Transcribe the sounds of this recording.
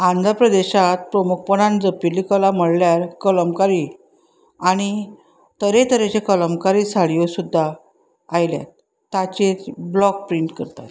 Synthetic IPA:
ãnd͡zapɾəd̪eɕat̪̚pɾəmuk̚ʰpənand͡zəpilːikəlam̤əɽljaɾkələmkaɾi | aɽ̃i | t̪əɾet̪əɾet͡ɕekələmkaɾisaɭiosud̪ʱːa | ajlja̰t̪ː | at͡ɕet͡sblɔk̚pɾiɳʈkəɾt̪a̰t̪

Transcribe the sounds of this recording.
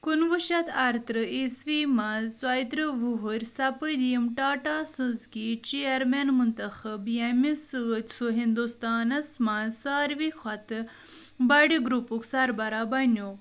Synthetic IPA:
kunʋuʃɐt̪ʰɐɾt̪ɾɨisʋiːmazt͡sɐjt̪ɾɨʋuɦuɾʲsɐpɨd̪ijimʈaːʈaːsɨ̃zkit͡ʃijɐɾmenmunt̪ɐxɐbjɐmʲisɨt̪ʲsuɦind̪ust̪aːnɐsmansaːɾʋixɐt̪ | bɐɖiɡɾupuksɐɾbɐɾaːbɐnjoː

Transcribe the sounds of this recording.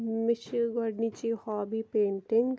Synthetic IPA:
mɪʃɡɔɖnit͡ʃihɔːbipẽːɳʈɪŋɡ

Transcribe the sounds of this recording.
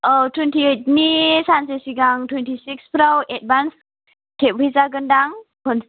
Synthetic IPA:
ɔtʰwentʰiet̚nisansesiɡaŋtʰwɛntʰisikspʰɾawʔɛt̚bans | tʰep̚izaɡəndaŋpʰɔn

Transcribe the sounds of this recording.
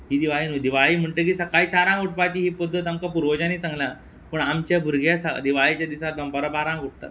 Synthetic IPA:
ɦiːd̪iʋaiːnud̪iʋaɭiːm̤əɳt̪ək̬iːsəkaiːt͡ɕaɾãŋɡʱuʈ̚pat͡ɕiːɦiːpəd̪ʱːət̪amkapuɾʋəd͡ʑaniːt͡sãŋɡlã | pəːɳamt͡ɕjabʱuɾɡʱjasad̪iʋaɭit͡ɕjad̪isat̪̚bəmpaɾəbaɾãɡʱuʈ̚t̪a̰t̪

